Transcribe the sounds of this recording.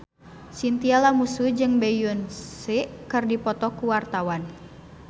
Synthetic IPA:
sint̪ialamusud͡ʒɨŋbejunsiʔkɨrdipɔt̪ɔkuwart̪awan

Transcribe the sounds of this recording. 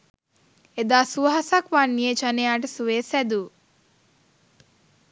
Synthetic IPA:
ed̪aːsuʋɐɦasakʋanːijet͡ʃanejaːʈ̬ɐsuʋeːsæd̪u

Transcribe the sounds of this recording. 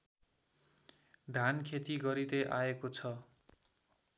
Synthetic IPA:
d̪ʱankʰet̪iɡʌɾid̪ʌjʔaekot͡sʰʌ

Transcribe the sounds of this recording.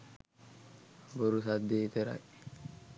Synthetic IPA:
bɔɾʊsɐd̪ːeːt̪ɛɾɐ̰ʔ

